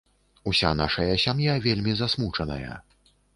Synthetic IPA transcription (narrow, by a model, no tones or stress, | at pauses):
usʲa̰naʂɐjɐsʲamjavʲelʲmʲizasmut͡ʂɐnɐ̰jɐ̰